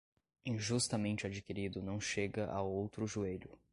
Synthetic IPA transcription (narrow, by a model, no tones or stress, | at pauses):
ĩʒust̪ɐmẽnt͡ʃɪad͡ʒikiɾid̪ʊnɐ̃w̃ʃeɡɐʔa̰wowt̪ɾʊʒueʎʊ